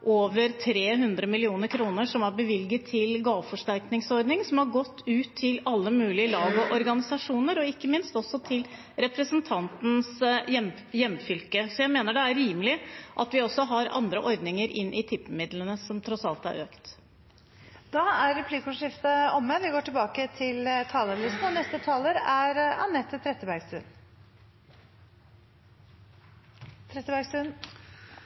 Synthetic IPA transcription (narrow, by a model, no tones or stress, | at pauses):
ʔoːʋəɾt̪ʰɾeːɦʉnd̪ɾəmɪlɪuːnəɾkʰɾuːnəʂɔmæɾbəʋɪlɡət̪ʰːɪlɡɑːʋfɔʂʈæɾknɪŋsɔɾd̪nɪŋsɔmhɑɾɡɔt̪ːʉːt̪ʰːɪlɑlːəmʉːlɪəlɑːɡɔʔɔɾɡɑnɪsɑʂuːnəɾɔɪkːəmɪnst̪ɔsːɔt̪ʰɪl | ɾɛpɾəsənt̪ʰɑnt̪n̩sjɛm | jɛmːfʏlkəsɔjæɪmeːnəɖɛæɾːiːmlɪʔɑt̪ʋɪɔsːɔɦɑɾɑ̰nd̪ɾəʔɔɾd̪nɪŋəɾʔɪnːʔɪt̪ʰɪpːmɪd̪lənəsɔmt̪ʰɾɔsɑlt̪æ̰ɾøːkt̪ | d̪̥ɑæɾːɛpʰliːkʊʂɪft̪əɔmːəʋɪɡoːʈɪlbɑːkət̪ʰɪlt̪ʰɑːləlyːsn̩ɔnɛst̪ət̪ʰɑːləɾæɾɑ̰nɛt̪ːət̪ʰɾɛt̪ːəbæɾɡst̪ʉn | t̪ʰɾɛt̪ːəbæɾɡsʉn